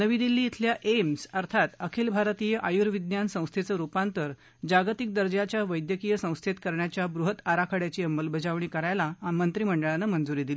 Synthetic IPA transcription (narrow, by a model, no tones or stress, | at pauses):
nəʋiːd̪ilːiːt̪ʰljaʔemsəɾt̪ʰat̪əkʰelbʱaɾt̪ijəʔajuɾʋid̪njansə̃w̃st̪ʰet͡səɾupãnt̪əɾ | d͡ʑaɡt̪ik̚d̪əɾd͡ʑjat͡ɕjaʋəjd̪jəkijəsə̃w̃st̪ʰet̪kəɾɳjat͡ɕjabɾuɦət̪aɾakʰəɽjat͡ɕiːəmbəlbʱəd͡zaʋɳ̃iːkəɾajlaːmənt̪ɾiːməɳɖəɭanːəmənd͡zuɾiːd̪ili